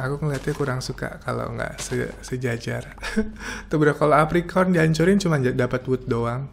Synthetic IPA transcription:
akuŋəliɦat̪ɲakuɾaŋsuka̰kalo̰ŋɡa̰ʔsəsəd͡ʒad͡ʒar | t̪əbəɾakaloapɾikʰɔrndiaɲt͡ʃʊɾɪnt͡ʃumanadapat̪wut̪̚doaŋ

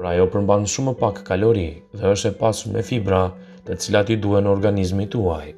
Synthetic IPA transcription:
ɾajɔpəɾmbanʃumɛpakkalɔɾi | ðɛəʃt̪ɛpasumɛ̰fibɾa | t̪ɛt͡silat̪id̪uhɛnɔɾɡanizmit̪aj

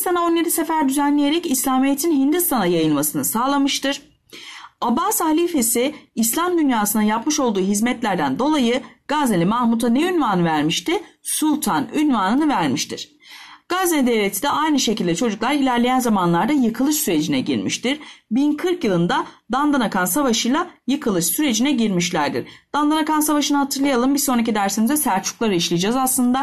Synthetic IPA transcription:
st̪anao̞njed̪ise̞fæɾd̪yzænlʲejeɾɛcislʲaːmijet̪ʰinɦind̪ist̪ʰanajajɯnmasɯnɯsaːlˠamɯʃt̪ɯɾ̥ | abashalʲife̞siːslʲamd̪ynjaːsɯnajapmɯʃo̞lˠd̪uːɦizmɛt̪lʲæɾd̪ænd̪o̞lˠajɯɡ̥aznelʲimahmut̪ʰaneynvanɯvæɾmiʃt̪ɪsulʲˠt̪ʰanynvaːnɯnɯvæɾmiʃt̪ʰḭɾ̥ | ɡ̥azned̪evvʲet̪ʰi̥d̪ɛʔajnɯʃe̞cilʲd̪ɛt͡ʃʰo̞d͡ʒuklˠaɾilʲæɾlʲejænzamanlˠaɾd̪ajɯkʰɯlˠɯʃsyɾe̞d͡ʒinɛɟḭɾmḭʃt̪iɾ̥binkʰɯɾkjɯlˠɯnd̪ad̪and̪anakʰansavaʃɯjlˠajɯkʰɯlˠɯʃsyɾe̞d͡ʒinɛɟiɾmiʃlʲæɾd̪ḭɾ̥d̪̥and̪anakansavaʃɯnɯɦat̪ʰɯɾlˠajalˠɯmbiso̞nɾac̬id̪æɾsenizd̪ɛsæɾt͡ʃʰu̥klˠaɾɯiʃlʲijd͡ʒazaslˠɯnd̪a

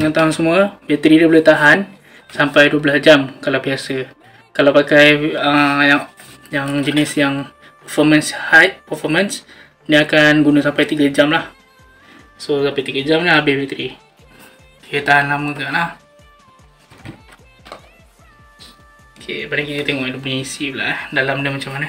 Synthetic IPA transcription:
əŋant̪aɦunsəmuabit̪ɾidabəlot̪aɦan | sampajduəblasd͡ʒamkalawbiasə | kalawpakajəja | jaŋd͡ʒənɪsjaŋ | pəfɔmənshajt̪̚pəfɔməns | niakanɡunəsampajt̪iɡad͡ʒamlah | sosampajt̪iɡad͡ʒamlaabɪhbit̪ɾi | ət̪aɦanlaməɡaʔlah | okʰḛbanaŋkit̪ət̪eŋɔʔadubunəisila̰ʔhdalamnəmat͡ʃamːanə

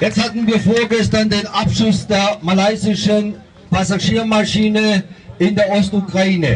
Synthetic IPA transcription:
jɛt͡sthatn̩viːɐfoːɐɡɛstɐndeːnʔapʃʊsd̥eːɐmalaɪzɪʃən | pʰasaʃiːɐmaʃiːnəʔɪndeːɐʔɔstukʁ̥aiːnə̰

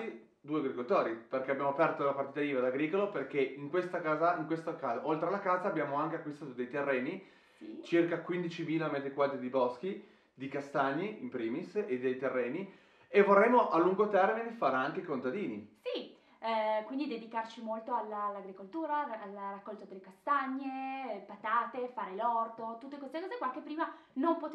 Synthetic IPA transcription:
i | d̪uːeaɡɾikolt̪ɔːɾiperk̟eabːjaːmoapɛrt̪olapaɾrt̪iːt̪aiːvad̪aɡɾiːkoloperk̟eiŋkwest̪akaːzaiŋkwest̪okaːzaʔolt̪ɾelakaːzaːbjaːmoaŋkeakwist̪aːt̪od̪ejt̪erːɛːni | t͡ʃirkakwind̪it͡ʃiviːlamːed̪ekwaːd̪ɾed̪ibɔsk̟i | d̪ikast̪aɲːiimpɾiːmised̪ːejt̪erːɛːni | evorremːoʔalːuŋɡot̪ɛrminefaːɾeaŋkekont̪ad̪iːnisi | kwind̪id̪ed̪ikart͡ʃimolt̪oalːalːaɡɾikolt̪uːɾaːlːarakːɔlt̪od̪elːekast̪aɲːepat̪aːt̪efaːɾelɔrt̪ot̪ut̪ːekwest̪ekɔːzekwakepːɾiːma | nompo

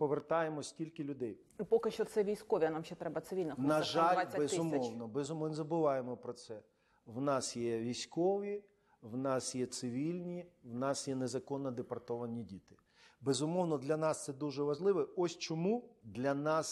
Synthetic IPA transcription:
pɔʋert̪ɑjemɔsʲtʲilʲkɪlʲʊd̪ɛj | ipɔkɪʃt͡ʃɔt̪sɛʋʲijsʲkɔʋʲiɐnamʃɛt̪ɾɛbɐt̪sɪʋʲilʲnɐnnɐʒalʲabezɪʊmʲɔwnɔbɛzʊmɪnzɐbʊʋɑjemɔpɾɔt̪sɛ | wnɑsjɛʋʲijsʲkɔʋʲi | wnɑsjɛt̪sɪʋʲilʲnʲiwnɑsjɛnezɐkɔnːɐd̪epɐrt̪ɔʋɐnʲidʲit̪ɪ̥ | bezʊmɔwnɔd̪lʲɐnɑst̪sɛd̪uʒɛʋɐʒlˠɪʋɛɔsʲt͡ʃɔmud̪lʲɐnɑs

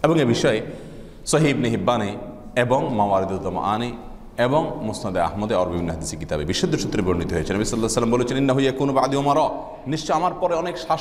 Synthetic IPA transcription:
eboŋebiʃɔe | soɦiibniɦibːani | eboŋmawaɾid̪ud͡ʒɔma̰ʔani | eboŋmusnod̪ea̰ɦmod̪eaɾbibʱinːoɦad̪iseɾkit̪abebiʃːod̪ːoʃut̪ːɾebonːit̪oɦoet͡ɕʰenɐbisɔlːasɐlːambolet͡ɕʰeninːaɦujakunubaʕd̪iomaɾɔ | niʃt͡ɕoamaɾpɔɾeɔnekʃa

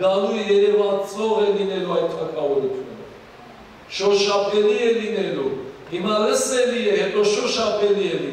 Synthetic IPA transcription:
ɑlujjɛɾɛvɑt͡svɔʁɛlinɛluɑjt̪̚kʰɑɾkʰɑvɔɾut̪ʰjunə | ʃɔʃɑpʰɛliɛlinɛluhimɑləsɛlijɛɦɛt̪ɔʃɔʃɑpʰɛliɛli

